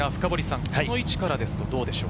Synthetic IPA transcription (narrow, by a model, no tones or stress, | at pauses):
aɸɯ̟̥kabo̞ɾʲisãŋhao̞it͡ɕi̥kaɾad̪e̞sɨ̥t̪o̞d̪o̞ːd̪e̞ɕo̞̰ː